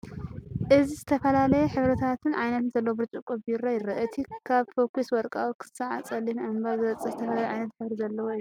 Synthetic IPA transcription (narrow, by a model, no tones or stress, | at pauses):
ʔɨzizɨt̪ʰɐfɐlalɐjɛħɨβɾɐt̪ʰat̪ʰɨnʕajnɐt̪nzɐlːɐwobɨɾt͡ʃʼukʼuβiɾajɪɾɐʔɨt̪ʰikʰaβfokʰuswɔɾkʼawukʰɨ̥saʕa̰t͡sʼɐlːimʔɨmbazɨβɐt͡sʼɐzɨt̪ʰɐfɐlaljʕajnɐt̪ħɨβɾizɐlːɐwoiu